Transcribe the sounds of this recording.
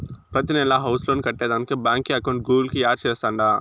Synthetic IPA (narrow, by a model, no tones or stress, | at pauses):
pɾɐt̪̬inɛlaɦɐwsloːnikɐʈːeːd̪anikibaːŋkːiɐkɐw̃ɳʈ̚ɡuːlkiaːɾt͡ʃɛːst̪aːɳɖaː